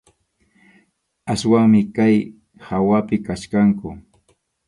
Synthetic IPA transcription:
aswaŋmɪkaj | hawapɪkaʃkaŋkʊ

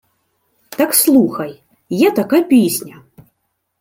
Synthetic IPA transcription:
t̪akslˠuxɐj | jat̪akajpʲesʲnʲɐ

